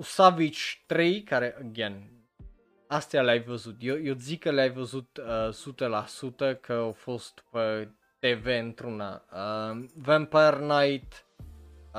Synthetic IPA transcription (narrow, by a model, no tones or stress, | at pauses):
usavit͡ʃt̪ɾejkaɾeʔəɡen | ast̪jaleajvəzut̪jojozikːəleajvəzut̪əsut̪əlasut̪əkʰəafost̪pə | t̪eveɨnt̪ɾuna̰əvɛmpərnajt̪